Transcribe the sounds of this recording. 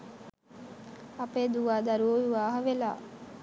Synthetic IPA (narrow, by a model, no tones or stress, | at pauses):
apeːd̪uʋaːd̪aɾuoʋuʋaːɦəʋela̰ː